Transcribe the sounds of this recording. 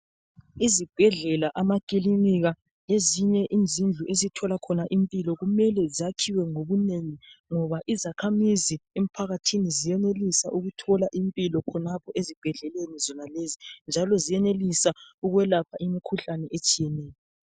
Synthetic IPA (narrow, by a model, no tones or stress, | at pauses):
izib̥ʱɛɮɛlaʔamakʼiliniɣa | leziɲɛʔind͡zʱind͡ɮʱuʔezitʰɔlakʰɔnaʔimpʼilɔɣumɛlɛziakʰiwɛŋoβuneŋiŋɔβaʔizakʰamiziem̩pʰaɣatʰinizijɛnelisaʔuɣutʰɔlaʔimpʼilɔkʰɔnapʰɔʔezib̥ʱɛɮɛlenizɔnalezind͡ʒʱalɔzijɛnelisauɣwɛlapʰaimikʰuɬanɛʔet͡ʃʼijɛnɛːjɔ